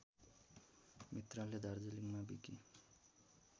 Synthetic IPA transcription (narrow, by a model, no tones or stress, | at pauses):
mit̪raled̪ʱaɾd͡zeliŋmabḭki